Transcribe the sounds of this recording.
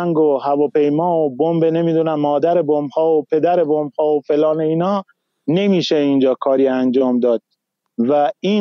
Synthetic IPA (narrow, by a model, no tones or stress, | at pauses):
ŋɡohævɒːpʰe̞jmɒːobombene̞miːd̪unæmːɒːd̪æɾebombhɒːopʰe̞d̪æɾebombhɒːofe̞lɒːneiːnɒː | ne̞miːʃeind͡ʒɒːkʰɒːɾiːænd͡ʒɒːmd̪ɒːd̪̥̚ | væiː